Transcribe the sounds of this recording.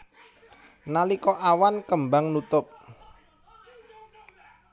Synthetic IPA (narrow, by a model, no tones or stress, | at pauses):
nalikɔʔawankəmbaŋnut̪ʊp̚